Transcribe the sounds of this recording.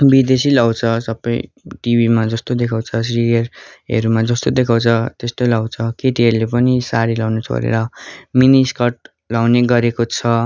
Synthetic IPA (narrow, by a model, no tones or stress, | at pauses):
bid̪esilaw̃t͡sʰʌsʌpːʌi | ʈibimad͡zʌst̪od̪ekʰaw̃t͡sʰʌs̬riʌrʌ̰ɾumad͡zʌst̪od̪ekʰaw̃t͡sʰʌt̪est̪olawt͡sʰʌkeʈiɦʌɾulepʌnisaɾilawnet͡sʰo̰ɾḛɾʌminiskʌʈ̚ | lawneɡʌɾekot͡sʰʌ